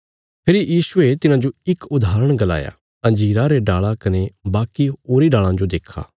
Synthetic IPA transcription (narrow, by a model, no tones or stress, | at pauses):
pʰɪɾijiːsʊet̪ɪnãd͡ʒoɪkʊd̪ʱaːɾəɽ̃ɡɐla̰ːja̰ | ɐ̃nd͡ʒiːɾaɾeɖaːɭakɐnebaːkioːɾiɖaːɭãd͡ʒod̪eːkʰa̰ː